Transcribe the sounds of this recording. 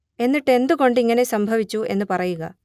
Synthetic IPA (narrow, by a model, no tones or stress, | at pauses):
e̞nːiʈːe̞nd̪uɣo̞ɳɖiŋːɐne̞sɐmbʱɐʋit͡ɕːue̞nːɨpɐrɐjuɣɐ̰